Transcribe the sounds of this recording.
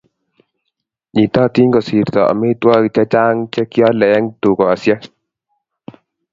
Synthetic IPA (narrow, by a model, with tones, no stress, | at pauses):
ɲi˨t̪a˦˨t̪i˦ŋɡɔ˨si˨ɾt̪ɔ˨a̰˨me˦t̪wɔ˦ɡi˨t͡ʃɛ˦t͡ʃa˦ŋt͡ʃɛ˦kjɔ˦lɛ˨˦ŋt̪u˨kɔ˨a˨sjɛ˦